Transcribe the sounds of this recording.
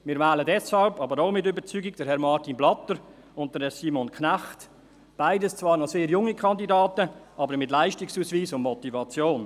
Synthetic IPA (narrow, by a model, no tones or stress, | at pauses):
mɪːɾvɛːlədɛshɑlbɑːbəɾoʊmɪtʏbəɾt͡syːɡɪɡ̚d̥əɾɦhɛɾmɑɾtinblɑtəɾ | ʊnt̚d̥əsiːmɔnkʰnæχt | b̥aɪdəst͡sv̥ɑːɾnɔseːɾjʊŋːikʰɑndidaːtəʔɑːbəɾmɪtlaɪʃtɪksuːsviːsʊnmɔtivɑt͡sjoːn